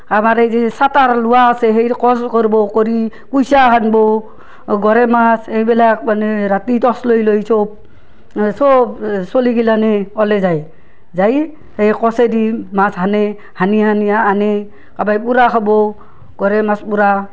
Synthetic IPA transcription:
amaɾezesataɾluwaːsɛɦejkɔskɔɾbɔkɔɾi | pujsaɦanbɔ | ɡɔɾɛmasejbɛlak̚maneɾatitɔslojlojsob̚ | sɔbsoliɡilanɛɔlɛzaj | zaj | hejkɔsedimasɦane | hanihanijaːne | kabajpuɾakʰabɔ | ɡ̥ɔɾɛmaspuɾa

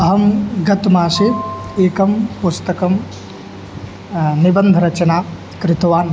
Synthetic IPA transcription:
ɐɦɐmɡɐt̪maːsieːkɐmpust̪ɐkɐm | nibɐnd̪ʱɾɐt͡ʃɐnaː | kɾɪt̪ɐʋaːn

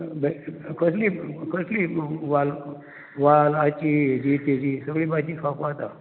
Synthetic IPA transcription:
bɛkʰəslikʰəsliːʋal | ʋalat͡ɕiːd͡ʑiːt̪ed͡ʑiːsəɡɭiːbad͡ʑiːkʰakat̪a

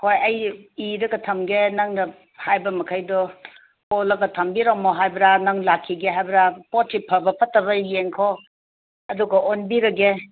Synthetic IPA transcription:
hojɐjiɾɐɡɐtʰɐmɡenɐŋnɐ | hajbɐmɐkʰɐjdɔ | polɐɡɐtʰɐmbiɾomoɦajbɾanɐŋlakʰːiɡeɦajbɾapotsipʰɐbɐpɐtːɐbɐjeŋkʰo | ɐduɡɐʔonbiɾɐɡe

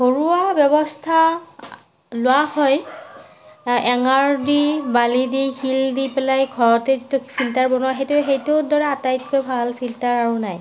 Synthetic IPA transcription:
hoɹuabɔbɔstʰa | lʊwahɔj | ɛŋaɹdibalidixildipɛlajɡʱɔɹɔtɛzitupʰiltaɹbɔnuaxejtʊxejtuʊdɔɹɛatajtkojbʱalpʰiltaɹaɹunaj

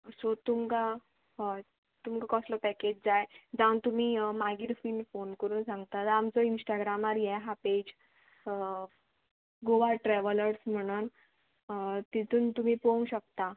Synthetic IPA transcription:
əsot̪umka | t̪umkakɔslɔpɛked͡ʑd͡zajd͡zãw̃nt̪um̤iːmaɡiːɾfiːlfonkəɾuːnsãŋɡt̪at̪amt͡sɔinsʈaɡɾamaɾjɛɦaped͡ʑ | ɡoʋaʈɾɛʋələɾsm̤əɽ̃un | t̪it̪ʰuːnt̪um̤iːpoũɕək̚t̪a

